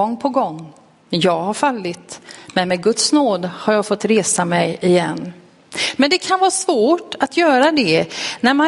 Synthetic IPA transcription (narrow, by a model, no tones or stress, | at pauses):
ɔŋːpʰɔɡɔŋː | jɑːɡhaɾfalːɪt̪mɛnmeːɡɵt̪snoːd̪haɾjɑːɡfɔt̪ːɾeːsamɛjɪjɛnː | mɛnd̪ɛkʰanvɑːsvoːʈat̪ʰjœːɾad̪ɛnæɾma